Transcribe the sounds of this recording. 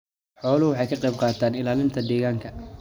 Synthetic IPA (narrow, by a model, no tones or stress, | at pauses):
ħɔːlʊwɑħɑjkʰɐqɛjb̚qɑːt̪ʰaːnɪlaːlɪmt̪ʰɐd̪ɛːɣaːŋkʰɐ